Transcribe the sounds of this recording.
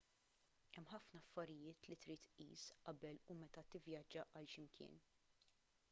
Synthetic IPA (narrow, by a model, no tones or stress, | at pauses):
ɛmːħɐfnɐːfːɐɾɪjɪːt̪lit̪ɾiːt̪ʔḭːsʔɐbɛlumɛt̪ɐt̪ɪvjɐd͡ʒːɐʔɐlʃɪmkʰɪ̰ːn